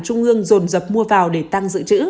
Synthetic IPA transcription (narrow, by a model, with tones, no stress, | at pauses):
t͡ɕʊ˧ŋ͡mʔɨ˧əŋzo˨˩nzə˨˩p̚mu˧əvaː˨˩wɗe˧˩t̪a˧ŋzɨ̰˧˨t͡ɕɨ̰˧˥